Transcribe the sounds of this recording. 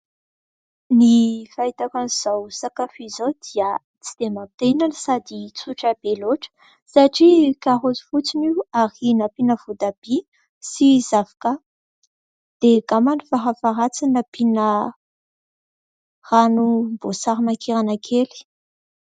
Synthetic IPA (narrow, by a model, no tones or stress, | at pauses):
nifait̪akaniz̥awsakafizowd̪iə | t͡si̥d̪̥emãt̪enansad̪it͡suʈ͡ʂabeloʈ͡ʂə̥ | saʈ͡ʂikaɦot͡si̥fut͡siniwaɾinapinəvud̪ab̥i | sizavḁka | d̪̥eɡamanifaɦafaɾat͡sinapinə | ranumbosaɾimakʰeɾanakʰeli̥